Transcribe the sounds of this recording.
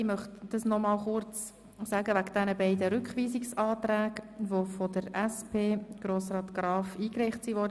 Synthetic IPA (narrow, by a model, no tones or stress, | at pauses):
ɪmœχtd̥ɑsnɔmɑːlχʊɾt͡s | sæːɡəʋæɡd̥ɛnəbɛɪdəɾʏkχʋiːziksɑːt̪ɾæːɡʋofod̥əɾʔæspʰeːɡ̥ɾoːsɾɑːt̪ɡ̥ɾɑːfiːkɾɛɪχtsiʋɔːɾdə